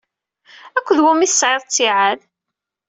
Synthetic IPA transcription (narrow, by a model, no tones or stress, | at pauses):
ækʷːəðwʊmiθə̥sʕeðˤt͡sːiʕað